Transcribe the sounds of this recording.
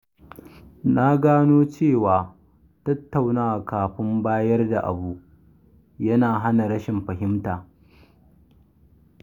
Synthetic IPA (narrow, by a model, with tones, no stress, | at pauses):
na˦ɡaː˦noː˦t͡ʃeː˦˨waː˨ | tɐ˦tːa˨wnaː˦a˨kaː˨ɸɪ˦mbaː˦jɐ˦rda̰˨ʔa̰˨buː˦ʔ | jɐ˦naː˨ɦa˦na˨ɽɐ˦ʃɪ˨mɸɐ˨ɦɪ˦mtaː˨